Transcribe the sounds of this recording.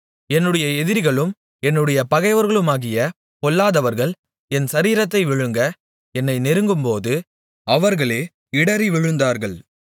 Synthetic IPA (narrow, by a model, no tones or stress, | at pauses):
ɛnːɯɽɐjɐɛðɪɾɣɐɭɯm | ɛnːɯɽɐjɐpɐɣɐɪʋɐɾɣɐɭɯmaːɣɪjɐ | kɔlːaːðɐʋɐɾɣɐɭ | ɛnsɐɾiːɾɐt̪̬ːɐɪʋɪɻɯŋɡɐ | ɛnːɐɪnɛɾɯŋɡɯmpoːðɯ | ɐʋɐɾɣɐɭeː | ɪɽɐɾiʋɪɻɯnd̪aːɾɣɐɭ